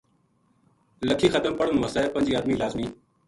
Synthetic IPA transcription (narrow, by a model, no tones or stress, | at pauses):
ləkʰiːxət̪əmpəɽənməsaepə̃nd͡ʒiːaːd̪miːlaːzmiː